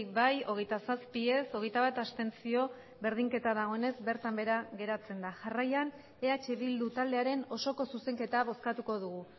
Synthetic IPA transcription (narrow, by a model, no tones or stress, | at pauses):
kbajo̞ɣ̞e̞jt̪asaspie̞so̞ɣe̞jt̪aβat̪ast̪e̞nt͡sio̞ | βe̞ɾð̞iŋke̞t̪aðaɣ̞o̞ene̞zbe̞ɾt̪ambe̞ɾaɣe̞ɾat͡se̞nd̪aʝarajan | e̞at͡ʃe̞βild̪ut̪ald̪e̞aɾe̞no̞so̞ko̞suse̞ŋke̞t̪aβo̞skat̪uko̞ðuɣ̞u